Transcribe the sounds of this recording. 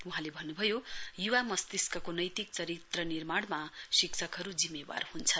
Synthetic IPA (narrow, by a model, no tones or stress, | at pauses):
uɦãlebʱʌnːubʱʌjojuwamʌst̪iskʌkonʌjt̪ik̚t͡sʌɾit̪rʌnirmaɽmasiksʰʌkɦʌɾud͡zimːeba̰rhunt͡sʰʌ